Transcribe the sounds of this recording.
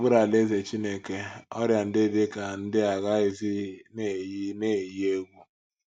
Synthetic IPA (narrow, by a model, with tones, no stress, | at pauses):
bʊ˦ɾa˨le˦ze˨t͡ʃi˦ne˦ke˦ɔ˦ɾja˨n̩˦dɪ˦dɪ˦ka˨n̩˦dɪ˦a˨ɣa˦ɪ˦zɪ˦ne˦˨˦ne˦˨ji˦e˦ɡʷu˦